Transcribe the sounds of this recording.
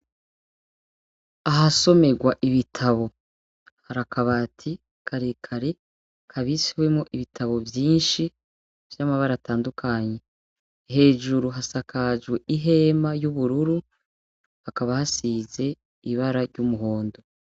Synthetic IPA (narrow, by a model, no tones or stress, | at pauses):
aɦaso̞me̞ɡwaʔiβitʰaβo̞ | haɾakaβaːtʰi | kʰaɾekʰaɾe | kʰaβisiwe̞mŋo̞ʔiβitʰaβo̞vjiːnʃi | v̥jamaβaɾataːndukʰaɲe̞ | ɦe̞ːʒuɾuɦasakʰaʒɡwe̞ʔiɦe̞majuβuɾuɾu | hakaβahasize̞ | iβaɾaɾɟumuɦo̞ːndo̞